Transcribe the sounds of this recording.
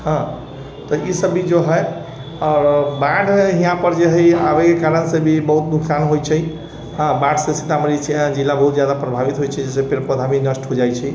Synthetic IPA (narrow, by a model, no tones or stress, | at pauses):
ɦə̃ | t̪ɔisəbid͡ʒoɦəj | ɔːɾbãɖʱɦijãpəɾd͡ʒeɦiabekekaɾənsebʱibəɦut̪̚d̪uksanɦojt͡ʃʰɛ | ɦə̃bãɖsesit̪amɾĩd͡ʒilːabəɦut̪d͡ʒjad̪apɾəbʱabit̪ɦojt͡ʃʰɛd͡ʒɛsepeɾpəd̪ʱabinəsʈɦod͡ʒajt͡ʃʰɛ